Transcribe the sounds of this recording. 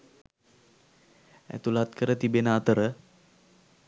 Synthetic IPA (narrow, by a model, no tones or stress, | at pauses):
æ̰t̪ulat̪̚kəɾət̪ibenaːt̪əɾə